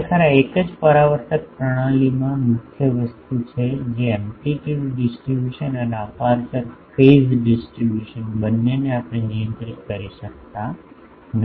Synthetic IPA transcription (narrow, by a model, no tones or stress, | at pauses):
k̪ʰaɾaekəd͡ʒpəɾaʋəɾt̪ək̚pɾəɽ̃ãlimãmʊkʰjəʋəst̪ut͡ʃʰed͡ʒeɛmʈiʈiʋɖɪsʈɾibjuʃənəneəpaɾkəɾfezɖɪsʈɾibjuʃənbənːeneapəɽ̃enijə̃nt̪ɾikkəɾiʃək̚t̪a | n